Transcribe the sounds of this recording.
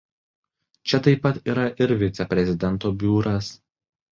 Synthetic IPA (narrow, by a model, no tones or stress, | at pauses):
t͡ʃʲɛt̪ɐɪpːɐt̪iːɾɐʔɪɾʋʲɪt̪sʲɛpʲɾʲɛzʲɪd̪ʲɛnˑt̪oːbʲuːɾʔɐs